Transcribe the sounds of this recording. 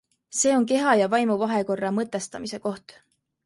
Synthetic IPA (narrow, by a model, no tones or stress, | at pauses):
se̞ːo̞nke̞ɦɑjɑvɑjmuvɑɦe̞ko̞rːɑmɤt̪ːˑest̪ɑmise̞ko̞ht̪